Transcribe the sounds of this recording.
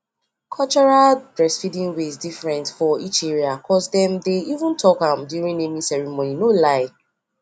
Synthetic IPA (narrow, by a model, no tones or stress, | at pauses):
kʰɔt͡ʃɔɹaldɹɛsfidĩŋwezdifɹɛ̃ntfɔit͡ʃɛɹiakʰɔsdɛ̃mdeivũntʰɔkãmdjuɹĩŋemisɛɹimoninolaɪ